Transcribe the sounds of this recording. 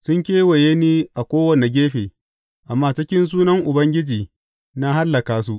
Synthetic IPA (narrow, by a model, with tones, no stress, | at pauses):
sʊ˦ŋkʲeː˦wɐ˨jeː˦niː˦ʔa˨kʷoː˦wɐ˨ne˨ɡʲeː˦ɸeː˨ | ʔa˨mːaː˦˨t͡ʃɪ˦kʲɪ˦ns̬uː˦nɐ˦ŋʔʊ˨bɐ˦ŋɡʲɪ˦d͡ʒiː˨ | na˦ɦa˦lːɐ˨kaː˨s̬u˦ʔ